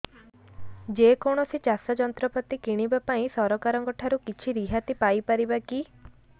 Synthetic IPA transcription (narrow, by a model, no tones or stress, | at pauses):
d͡ʒekɔɽ̃ɔsit͡ʃasad͡ʒɔnt̪ɾɔpɔt̪ikiɽ̃ibapaĩsɔɾɔkaɾɔŋkɔʈʰaɾukit͡ʃʰiɾiɦat̪ipajpaɾibaki